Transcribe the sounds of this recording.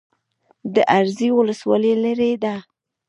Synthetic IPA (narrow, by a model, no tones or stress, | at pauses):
d̪əʔaɾziwʊləswɑ̰lelaɾed̪a